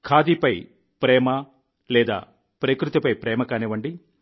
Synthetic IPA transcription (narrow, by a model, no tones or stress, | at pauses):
kʰaːd̪ipɐj | pɾɛːmɐ | lɛːd̪a̰ː | pɾeːkɾut̪ipɐjpɾɛːmɐkaːnɛʋɐɳɖi